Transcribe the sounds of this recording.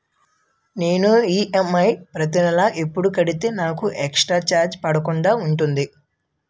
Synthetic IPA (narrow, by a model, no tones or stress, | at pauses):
ne̞ːnuiːʔemɐjpɾɐt̪̬inɐlaːʔepːuɽukɐɽit̪e̞ːnaːkuʔɛkʂʈɾaːt͡ʃaːɾd͡ʒpɐɽɐkuɳɖaːuɳʈund̪i